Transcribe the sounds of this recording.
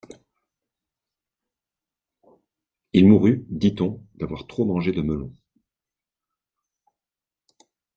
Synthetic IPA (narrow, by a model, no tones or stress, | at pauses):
ilmuʁyd̪it̪ɔ̃d̪̥avwaʁt̪χomɑ̃ʒed̪əməlɔ̃